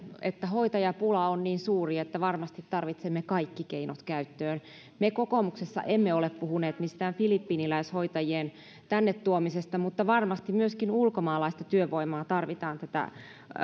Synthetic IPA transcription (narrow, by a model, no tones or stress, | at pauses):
ḛt̪ːæhoit̪ɑjɑpulɑonniːnsuːriet̪ːæʋɑrmɑst̪it̪tɑrʋit̪semːekɑikːikeinot̪kæyt̪ːøːn | mekokomuksesːɑ̰ʔemːeoleppuhuneːt̪mist̪æːnfilipːiːnilæishoit̪ɑjien | t̪ænːet̪tuomisest̪ɑmut̪ːɑʋɑrmɑst̪imyøskinulkomɑːlɑist̪ɑt̪yøʋoimɑːt̪ɑrʋit̪ɑːnt̪æt̪æ̰